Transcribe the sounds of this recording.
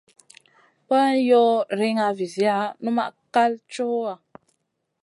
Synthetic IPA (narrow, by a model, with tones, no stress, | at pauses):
pə˦n˦jɔ˦ɾi˦ŋa˨vi˨zi˨˦a˦nu˦ma̰˦ʔka˦lt͡ʃo˦a˨